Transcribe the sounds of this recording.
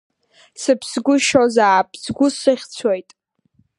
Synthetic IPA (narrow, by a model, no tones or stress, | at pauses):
sɨpʰsɡʷʊʃozaːpʰʼzɡʷʊsɨχʲt͡sʰwojtʼ